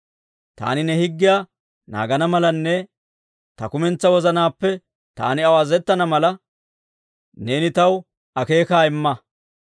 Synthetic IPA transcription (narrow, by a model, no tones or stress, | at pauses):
t̪a̰ːnɪnɛhɪɡːɪjaː | na̰ːɡɐnɐmɐlɐnːɛ | t̪ɐkʊmɛnt͡sːɐwɔzɐnaːpːɛ | t̪a̰ːnɪɐwaːzɛt̪ːɐnɐmɐlɐ | ne̞ːnɪt̪ɐw | ʔɐke̞ːkaːɪmːɐ